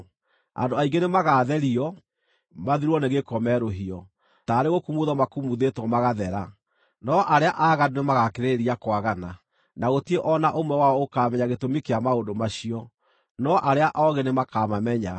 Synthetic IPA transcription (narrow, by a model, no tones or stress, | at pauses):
a̰ndoaiɡenemaɣaːðɛɾiɔ | maðiɾwɔneɣekɔmɛɾoɦiɔ | taːɾeɣokumuðɔmakumuðetwɔmaɣaðɛɾa | nɔʔaɾeaʔaːɣadonemaɣakeɾeɾiakwaɣana | naɣotieʔɔnaʔomwɛwaɔokaːmɛɲaɣetomikeamaondomaɕiɔ | nɔʔaɾeaʔɔɣenemakamamɛɲa